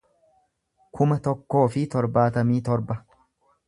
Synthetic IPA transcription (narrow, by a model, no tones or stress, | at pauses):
kʰʊmɐt̪ɔkːo̞ːfɪt̪ɔɾbaːt̪ɐmiːt̪ɔɾbɐ